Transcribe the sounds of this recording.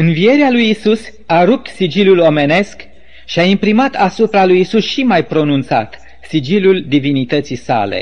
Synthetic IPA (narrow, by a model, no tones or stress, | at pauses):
ɨnvije̞ɾealujisus | aɾup̚t̪sid͡ʒilulo̞me̞ne̞sk | ʃiaimpɾimat̪asupɾalujisusʃimajpɾo̞nunt̪sa̰t̪ | sid͡ʒiluld̪ivinit̪ət̪sisa̰le̞̰